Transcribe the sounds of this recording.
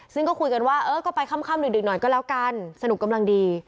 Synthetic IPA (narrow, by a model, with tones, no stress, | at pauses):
sɯ˥˩ŋkɔː˥˩kʰu˧jka˧nwaː˥˩ʔɤː˧˥kɔː˥˩pa˧jkʰa˥˩mkʰaː˥˩mɾɯː˨˩˦dɯ˨˩k̚nɔ˨˩jkɔː˥˩lɛ˦˥wka˧nsa˧nu˨˩˦kːa˧mla˧ŋdiː˧